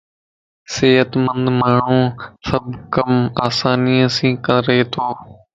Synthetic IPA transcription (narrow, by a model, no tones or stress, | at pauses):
seːɦət̪mənd̪maːɳ̤ũːsəbkəmaːsaːniːãːsĩːkənɾəɦeːt̪ʰoː